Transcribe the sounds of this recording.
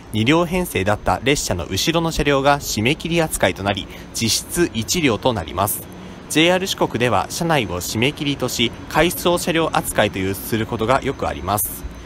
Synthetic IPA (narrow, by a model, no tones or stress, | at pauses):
ɲ̟iɾʲo̞ːɦẽ̞ɰ̃se̞ːd̪at̪ːa̰ɾe̞ɕːano̞̰ʔɯ̟ɕiɾo̞no̞ɕaɾʲo̞ːɡaɕime̞kʲiɾʲiat͡sɨ̥kait̪o̞naɾʲḭ | d͡ʑ̥iɕi̥t͡sɨʔit͡ɕiɾʲo̞ːt̪o̞na̰ɾʲḭmasɨ̥ | d͡ʑe̞ːaɾɯ̟ɕi̥ko̞kɯ̟d̪e̞βa̰ɕanaio̞ɕime̞kʲiɾʲit̪o̞ɕi | kʰaisɨoɕaɾʲjo̞ːʔat͡sɨ̥kait̪o̞jɯːssɨɾɯ̟ko̞t̪o̞ɡa̰jo̞kɯ̟a̰ɾʲḭmasɨ̥